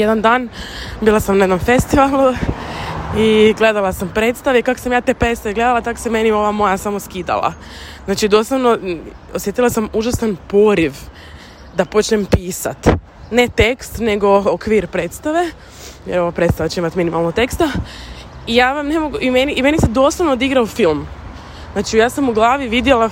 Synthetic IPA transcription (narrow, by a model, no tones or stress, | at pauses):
jed̪and̪aːnbiːlˠasamneznamfe̞st̪iʋalˠu | iɡle̞d̪alˠasampɾe̞ːt̪st̪aʋeikako̥samjaːt̪e̞pɾet̪st̪aʋeɡle̞d̪alat̪ako̥seme̞nio̞ʋamo̞jasamo̞skiːd̪a̰lˠa̰ | znaːt͡ʃid̪o̞slˠaʋno | osje̞t̪ilˠasamuʒasanpo̞ɾiʋ | d̪apo̞t͡ʃnempiːsa̰t̪ | ne̞t̪e̞kst̪ne̞ɡo̞okʋiːɾpɾe̞ːt̪st̪aʋe̞ | jeɾo̞ʋapɾe̞t̪saʋat͡ʃeimat̪minimalˠnot̪e̞kst̪a | ijaːʋamne̞mo̞ɡuʔimeniʔːme̞nised̪o̞ːslˠaʋnod̪iɡɾaofilˠm | znaːt͡ʃijaːsamuɡlˠaːʋiʋid̪jelˠa